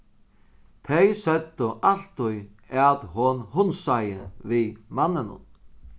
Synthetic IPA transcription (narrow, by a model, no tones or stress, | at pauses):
t̪ʰɛjsœd̪əʔal̥t̪ʊj | aðhʊnhʊnsajəvimanːɪnʊ̰n